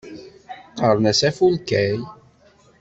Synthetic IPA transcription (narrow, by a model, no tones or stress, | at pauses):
əɾˤnæsæfulkæj